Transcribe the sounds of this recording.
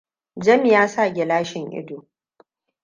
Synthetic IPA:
d͡ʒɐ˦m˨jaː˦sa˦˨ɡʲɪ˨laː˦ʃɪ˨ŋʔɪ̰˦doː˨

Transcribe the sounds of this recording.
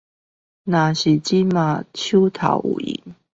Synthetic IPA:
na˨˩ɕi˨t͡ɕi˦ma˨t͡ɕʰu˦t̪ʰa̰˨˦ʊʔṵ˨˩ḭ˨˩˦ŋ

